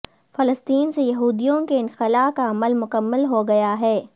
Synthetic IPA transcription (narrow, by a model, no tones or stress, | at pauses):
fɐləst̪iːnsejɐɦuːd̪ijõkeɪnxɪlaːkaɐməlmʊkəmːəlɦoɡɐjaɦɛː